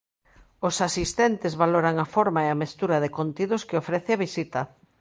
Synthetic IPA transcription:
ʊsasist̪ɛnt̪ɪzβaloɾaŋafoɾmaeɐmest̪uɾɐðɪkont̪iðʊskɪofɾɛθeaβisit̪ɐ

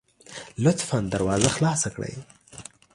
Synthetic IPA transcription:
lʊt̪fɑnd̪aɾwɑzaxlɑsakɽə̰j

